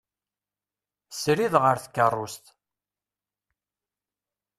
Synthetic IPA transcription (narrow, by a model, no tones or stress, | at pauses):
sɾiðʁəɾθkːərˤːʊst̪